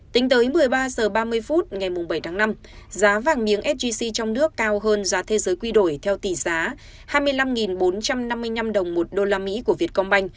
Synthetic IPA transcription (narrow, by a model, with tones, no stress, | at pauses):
t̪ï˨˦ŋ̟t̪əː˨˦jmɨ˨˩əjɓaː˧səː˨˩ɓaː˧mɨ˧əjfu˦˥t̚ŋa˨˩jmʊ˨˩ŋ͡mɓə˧˩jt̪ʰaː˨˦ŋna˧m | zaː˨˦vaː˨˩nmi˨˦əŋʔɛ˦˥t̚zi˧si˧t͡ɕɔ˧wŋ͡mnɨ˦˥əkːaː˧wɦəː˧nzaː˨˦t̪ʰe˨˧˦zəː˨˦jkwi˧ɗo˧˩jt̪ʰɛ˧wt̪i˧˩zaː˨˦ | haː˧jmɨ˧əjla˧mŋi˨˩nɓo˨˦nt͡ɕa˧mna˧mːɨ˧əjna˧mɗə˨˩wŋ͡mmo˨˩t̚ɗo˧laː˧mḭ˧˥ku˧˩əvi˨˩ət̚kɔ˧ŋ͡mɓa˧jŋ̟